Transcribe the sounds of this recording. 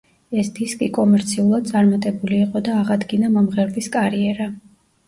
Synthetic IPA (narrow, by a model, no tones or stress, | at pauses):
ɛsd̪iskʼikʼɔmɛɾt̪sʰiulˠad̪̚t̪sʼaɾmat̪ʼɛbuliːqʼɔd̪aːʁad̪ɡinamɔmʁɛɾviskʼaɾiɛɾa